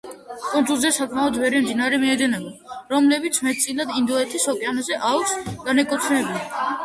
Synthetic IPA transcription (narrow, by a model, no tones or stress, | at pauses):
kʼɔnzulˠzɛsakʰmaɔd̪vɛɾɛmd̪inaɾɛmiɛd̪ɛnaɡaɾɔmlɛbit̪sʰmɛt̪̚ʰt̪sʼilad̪ind̪ɔɛt̪ʰisɔkʼjanazɛʔaɔksɡanɛkʼɔt̪sʰnɛbii